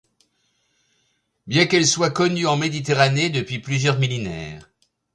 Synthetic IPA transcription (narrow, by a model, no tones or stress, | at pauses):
bjɛ̃kɛlswakɔnyɑ̃med̪it̪eʁaned̪əpɥiplyzjœʁmilenɛ̰ːʁ